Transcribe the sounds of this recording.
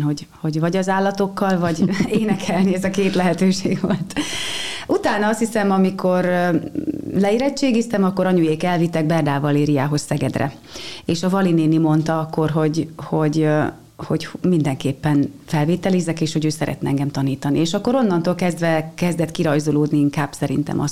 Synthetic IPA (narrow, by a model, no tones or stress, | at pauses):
ɦoɟ | ho̞ɟvɒɟɒzaːlːɒt̪o̞kːɒlvɒɟeːnɛkʰɛlniɛzɒkeːt̪lɛɦɛt̪øːʃḛːɡvolt̪ | ut̪aːnɒɒst̪hisɛmɒmikʰo̞r | lɛiɾɛt͡ʃːeːɡist̪ɛmɒkːo̞ɾɒɲujeːkɛlvit̪ːɛɡ̚bɛrd̪aːvɒleːɾijaːɦo̞ssɛɡɛd̪rɛ̰ | eːʃɒvɒlineːnimo̞nt̪ɒɒkːo̞rɦo̞ɟho̞ɟ | ho̞ɟmind̪ɛŋkeːpːɛnfɛlveːt̪ɛlizɛkeːʃho̞ɟøːsɛɾʔɛ̰t̪nɛɛŋɡɛmt̪ɒniːt̪ɒnieːʃɒkːo̞ɾo̞nːɒnt̪oːlkɛzd̪vɛkɛzd̪ɛt̪kiɾɒjzoloːd̪niiŋkaːb̥sɛɾḭnt̪ɛ̰mʔɒ̰s